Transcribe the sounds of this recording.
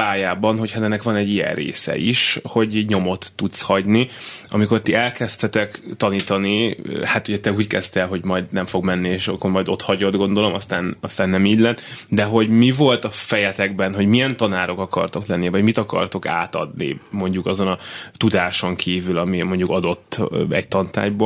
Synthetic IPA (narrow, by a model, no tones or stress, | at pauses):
paːjaːbɒnɦochat̪ɛnːɛkʋɒnɛɟːijɛ̰nrḛːsɛ̰iʃho̞ɟɲo̞mo̞t̪ːut̪shɒɟniɒ̰miko̞rt̪iɛlkɛst̪ɛt̪ɛkt̪ɒniːt̪ɒnihat̪uɟɛt̪ɛuːckɛst̪ɛlɦo̞ɟmɒjd̪nɛɱfo̞ɡmɛnːieːʃɒkːormɒjd̪o̞t̪hɒɟo̞d̪ɡo̞nd̪o̞lo̞mɒst̪aːnɒst̪aːnːɛmiːɟlɛt̪ːd̪ɛɦo̞ɟmivo̞lt̪ɒfɛjɛt̪ɛɡbɛnɦo̞ɟmijɛnt̪ɒnaːɾo̞kɒkɒ̰rt̪o̞klɛnːivɒɟmit̪ɒkɒ̰rt̪o̞ka̰ːt̪ɒ̰d̪nḭmo̞ɲɟukɒzo̞nɒt̪ud̪aːʃo̞ŋkʰiːvylɒmimo̞ɲɟukɒd̪o̞t̪ːɛct̪ɒnt̪a̰ːjbo